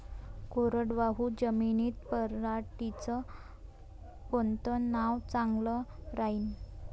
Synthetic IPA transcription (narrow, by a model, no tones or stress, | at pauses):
koɾəɽʋaɦud͡ʑəminiːt̪̚pəɾːaʈit͡sɔ | bont̪ənaʋt͡saŋɡlɔɾaɦin